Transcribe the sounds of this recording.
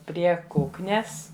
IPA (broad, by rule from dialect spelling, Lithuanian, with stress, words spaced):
ˈpʲrʲiɛ ˈkʊknʲɛs